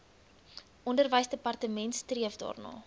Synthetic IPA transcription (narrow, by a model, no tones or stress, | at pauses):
ʔɔndərvəjsdəpɐrtəmɛntstriəfdɑ̰ːrnɑ̰ː